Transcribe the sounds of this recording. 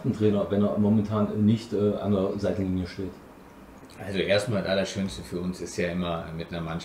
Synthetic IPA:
tn̩tʁ̥ɛːnɐvɛneːɐmɔmɛntʰaːnɛnɪçtʔɛːʔa̰ndzaɪtn̩ɡɪŋəʃteːt | ʔalzoʔeːɐstmaːltʔalɐʃøːnstəfyːɐʊnsɪstjaːʔɪmɐmɪtnɐɐmanʃ

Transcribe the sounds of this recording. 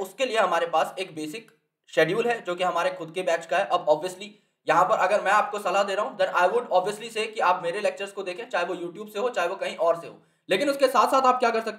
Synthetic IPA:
ʊskelieɦɐmaːɾepaːseːk̚beːsɪk | ʃɛːɖjuːlɦɛd͡ʒoːkiɦɐmaːɾexʊd̪̚kebɛːt͡ʃkaɦɛʔɐbɔːbʋijəsli | jɐɦãpɐɾʔɐɡəɾmɛ̃aːp̚kosɐlad̪eːɾaɦũd̪ɛ̃nʔaːɪʋʊɖɔːbʋiəsliseːkiaːpmeːɾelɛːk̚t͡ʃəɾzkod̪eːkʰẽt͡ʃaːɦeʋojuːʈjuːbseɦot͡ʃaːɦeʋokɐɦĩʔɔːɾseɦo̰ː | leːkɪnʊskesaːt̪ʰsaːt̪aːp̚kjaːkɐɾsɐk̚t̪e

